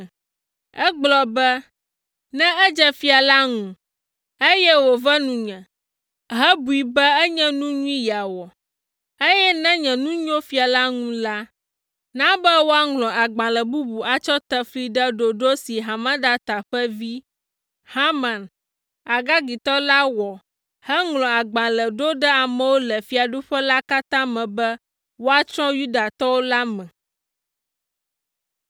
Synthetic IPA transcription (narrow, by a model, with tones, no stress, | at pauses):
ɛ˦ɡ͡blɔ˨bɛ˦ | nɛ̃˦ɛ˦d͡ʒɛ˦fi˦a˨la˦ŋũ˨ | e˦jɛ˦wo˨vɛ˦nũ˨ɲɛ̃˨ | ɦɛ˦bu˨i˨bɛ˦ɛ˦ɲɛ̃˦nũ˦ɲũ˦ĩ˦ja˨wɔ˨ | e˦jɛ˦nɛ̃˦ɲɛ̃˨nũ˦ɲõ˦fi˦a˨la˦ŋũ˦la˦ | nã˦bɛ˦wo˦a˦ŋlɔ̃˨a˨ɡ͡bã˨lɛ˨bu˦bu˨a˨t͡ʃɔ˦t̪ɛ˦fli˦ɖɛ˦ɖo˨ɖo˦si˨ɦa˨mã˦da˦t̪a˨ɸɛ˦vi˦ | ha˦mã˨n | a˨ɡa˦ɡi˨t̪ɔ˦la˦wɔ˨ | hɛ˦ŋlɔ̃˨a˨ɡ͡bã˨lɛ˨ɖo˦ɖɛ˦a˨mɛ̃˨wo˦lɛ˨fi˨˦a˨ɖu˦ɸɛ˦la˦ka˦t̪ã˦mɛ̃˨bɛ˦ | wo˦a˨t͡ʃɾɔ̃˦ju˦da˨t̪ɔ˦wo˦la˦mɛ̃˨